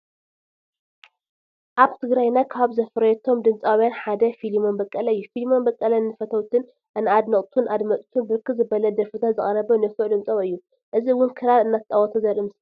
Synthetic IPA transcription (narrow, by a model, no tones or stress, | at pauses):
ʔaβt̪ʰɨɡɾajnakʰaβzɐfɾɐɛt̪ʰo̞md̪ɨmt͡sʼawjanħad̪ɐfilimonbɐkʼːɐlɐɨjːufilimo̞nbɐkʼːɐlɐnːɨfɐt̪ʰɐwt̪ʰɨn | ʔɨnad̪nɐχʼt̪ʰunʔad̪mɐt̪ʼt̪ʰunbɨɾɨkːɨzɨbɐlɐd̪ɐɾfɨt̪ʰat̪zɨχʼɐɾɐβɐnɐfuʔd̪ɨmt͡sʼɐβɨjːu | ʔɨziwʊnkʰɨɾalɨnːat̪ʼawɐt̪ʰozɐɾɨms